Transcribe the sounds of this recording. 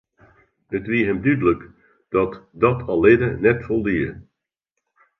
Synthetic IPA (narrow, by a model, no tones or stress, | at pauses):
ətʋiəɦɛmdydələk | d̥ɔtdɔtʰɑlˠɪdənɛtfɔlˠdiə